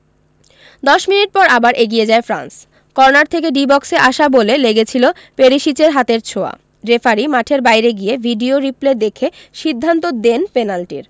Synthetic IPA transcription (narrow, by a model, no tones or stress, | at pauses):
d̪ɔʃminiʈ̚pɔɾabaɾʔeɡijed͡ʑaefɾa̰ns | kɔɾonaɾt̪ʰekeɖibɔkseʔaʃaboleleɡet͡ɕʰilo | peɾiʃit͡ɕeɾɦat̪eɾt͡ɕʰoa̰ | ɖɾefaɾimaʈʰeɾbajɾeɡiebʱiɖioɾipled̪ekʰe | ʃid̪ʱːant̪od̪enpenalʈiɾ